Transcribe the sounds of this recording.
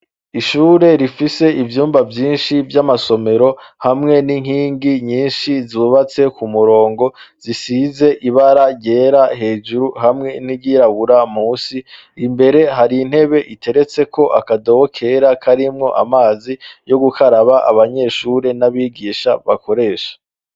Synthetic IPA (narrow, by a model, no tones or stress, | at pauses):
iʃuːɾe̞ɾifise̞ʔivjuːmbavjiːnʃivjamaso̞me̞ɾo̞hamŋe̞niŋ̥hiːŋɡiɲiːnʃizuβat͡se̞kumuɾo̞ːŋɡo̞z̥isize̞ʔiβaɾajeɾaɦe̞ːd͡ʒuɾuɦamŋe̞niɟiɾaɡuɾamuːsi | imbe̞ɾe̞ɦaɾin̥he̞βe̞ʔitʰe̞ɾe̞t͡se̞kʰo̞ʔa̰kado̞βokʰe̞ɾakʰaɾimŋo̞̰ʔa̰maːzijo̞ɡukʰaɾaβaʔa̰βaɲe̞ʃuːɾe̞naβiːɡiːʃaβako̞ɾe̞ːʃḁ